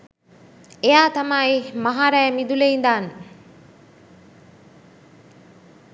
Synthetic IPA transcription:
ejaːt̪amaːimaɦaːɾæːmid̪uleind̪aːnə

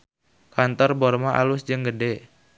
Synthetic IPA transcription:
kant̪ɔrbɔrmaʔa̰lʊsd͡ʒəŋɡəde

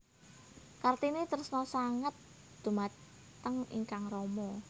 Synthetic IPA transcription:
kart̪init̪əɾʊsnɔsaŋət̪̚ | d̪̥ṳmat | t̪əŋḭŋkaŋrɔmɔ

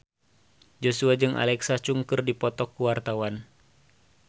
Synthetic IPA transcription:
d͡ʒosuad͡ʒɨŋʔa̰lɛksat͡ʃuŋkɨrdipɔt̪ɔkːuwart̪awan

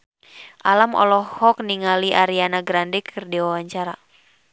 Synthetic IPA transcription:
ʔalamʔɔ̰lɔhɔk̚niŋaliʔaɾianaɡɾandɛkʰɨrdiwawaɲt͡ʃaɾa

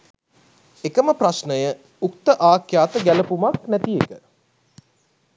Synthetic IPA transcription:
ekəməprasnəjə | uk̚t̪əʔaːkjaːt̪əɡæləpumaknæt̪iekə

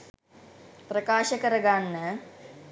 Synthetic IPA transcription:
pɾɐkaːʃɐkɐɾɐɡaːnːɐ

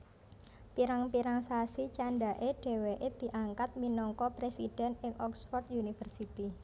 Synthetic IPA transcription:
piɾaŋpiɾaŋsasit͡ʃaɳɖaʔeɖ̥e̤weʔed̪̥i̤ʔaŋkat̪̚minɔŋkɔpɾesid̥ɛ̤nɪŋʔɔksfɔrt̪junifərsit̪i

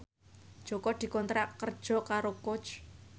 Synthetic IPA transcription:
d̥ʒ̥ɔ̤kɔd̪̥i̤kɔnt̪ɾakər̥ʒ̥ɔ̤kaɾokot͡ʃ

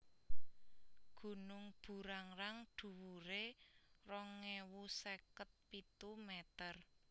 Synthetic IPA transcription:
ɡ̥ṳnʊŋb̥ṳɾaŋɾaŋɖ̥ṳwuɾerɔŋːewusɛkət̪̚pit̪umɛt̪ər

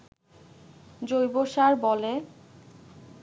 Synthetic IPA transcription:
d͡ʑojboʃaɾbɔle

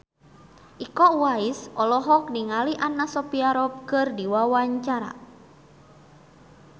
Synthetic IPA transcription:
ʔikɔwaisɔlɔɦɔk̚niŋaliʔanasɔpiaɾɔp̚kɨrdiwawaɲt͡ʃaɾa̰

